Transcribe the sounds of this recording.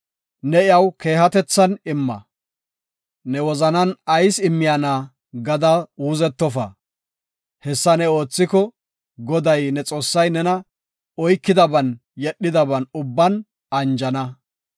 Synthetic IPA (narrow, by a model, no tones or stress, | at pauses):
nɛɪɐwke̞ːɦɐt̪ɛt͡sːɐnɪmːɐ̰ | nɛwɔzɐnɐnɐjsɪmːɪjanaː | ɡɐd̪ɐuːzɛt̪ːɔfɐ̰ | hɛsːɐnɛo̞ːt͡sːɪkɔ | ɡɔd̪ɐjnɛt͡sʼo̞ːsːɐjnɛnɐ | ɔjkːɪd̪ɐbɐn | jɛɗːɪd̪ɐbɐnʊbːɐn | ɐnd͡ʒɐnɐ